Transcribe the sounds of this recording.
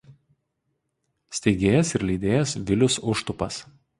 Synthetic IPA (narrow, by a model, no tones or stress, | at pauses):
sʲt̪ʲɛɪɡʲeːjɛsɪɾlʲiːd̪ʲeːjɛsʋʲɪlʲʊsʊʃt̪ʊpɐs